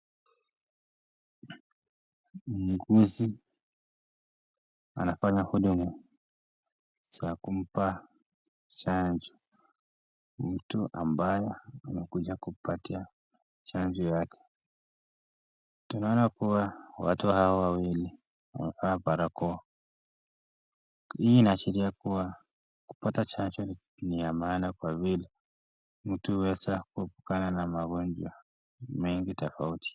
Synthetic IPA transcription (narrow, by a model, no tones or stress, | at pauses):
m̩ɡuzi | a̰nafaɲahuɗumu | t͡ʃakum̩pa | t͡ʃaɲd͡ʒɔ | m̩tuʔa̰mbajɛamɛkuʄakupatia | t͡ʃaɲd͡ʒɔjakʰɛ̥ | tunaɔnakuwawa̰tuhaɔwawili | wa̰mɛfaapaɾakɔɔ | hiiːnaːt͡ʃiɾiakuwa | ku̥patat͡ʃaɲd͡ʒɔ | niamaːnakwavila | m̩tuwɛsakuhɛpu̥kananamaɡɔɲd͡ʒwa | mɛŋɡitɔfauti̥